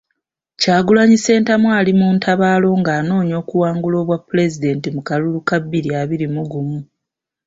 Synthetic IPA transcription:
caːɡulaɲise̞ːntamwaːlimuːntʰaβaːlo̞ŋɡaːno̞ːɲo̞ːkuwaːŋɡulo̞ːβwapːule̞zide̞ntimukalulukabːiɾiaβiɾimuɡumu

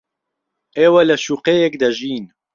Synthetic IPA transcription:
ʔeːwɐlɐʃuːqejekd̪ɐʒiːn

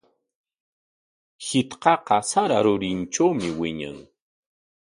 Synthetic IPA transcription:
hɪt̪qɑqɑsaɾaɾʊɾɪnt͡ʃawmɪwɪɲa̰ŋ

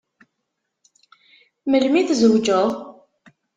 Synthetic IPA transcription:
məlmiθzəwd͡ʒəðˤ

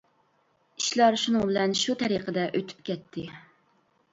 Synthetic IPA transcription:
iʃlˠɑɾʃunɨŋbɪlɛnʃut̪ʰɛɾiqʰəd̪ɛʔøt̪ʰy̥pkʲʰɛt̪ʰːɪ

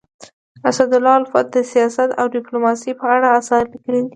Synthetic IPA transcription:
asad̪ʊlːɑalfɑ̰t̪̚d̪əsijɑsat̪awɖɪplomɑsipəaɽaːsɑlikəlid̪i

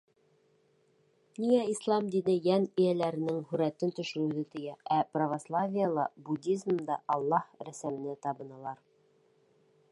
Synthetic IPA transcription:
nijæislˠɑmd̪inɘjænɘ̆jælæɾɘ̆nɘŋhʉɾæt̪ɘnt̪ɵ̆ʃɘ̆ɾɘ̆wðɘt̪ɵ̆jææprɐvaslˠavʲijəlˠɑbud̪ʲizmd̪ɑʔɑlˠːɑhɾæsæmɘ̆nɘt̪ɑbɤ̆nɑlˠɑɾ

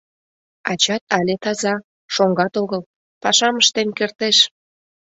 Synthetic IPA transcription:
ɑt͡ɕɑt̪ɑlʲet̪ɑzɑ | ʃoŋɡɑt̪oɣəl | pɑʃɑməʃt̪enkert̪eʃ

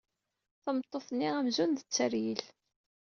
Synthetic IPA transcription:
θəmt̪ˤːoθnːiʁæmzund̪ət͡sːəɾjil

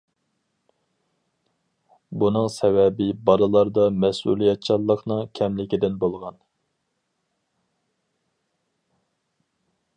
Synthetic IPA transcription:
bunɨŋsɛwɛbɪbɑɾɨlˠɑɾd̪ɑmɛsṵlˠijɛt̪̚t͡ʃʰɑlˠːəqnɨŋkʲʰɛmlɪkʲid̪ɪnbolˠʁɑn

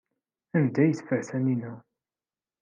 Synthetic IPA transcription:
ænd̪æjəθfəʕθæninu

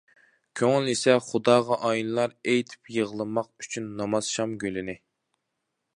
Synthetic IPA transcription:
kʲʰøŋlisɛχʊd̪ɑːʁɑʔɑjinɨlˠɑɾejt̪ʰɪ̥pjəʁlˠɨmɑq̚y̥t͡ʃʰynːɑmɑz̥ʃɑmɡʲølɪnɪ

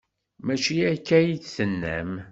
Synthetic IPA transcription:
mæt͡ʃiækːæjiθsənːæ̰m

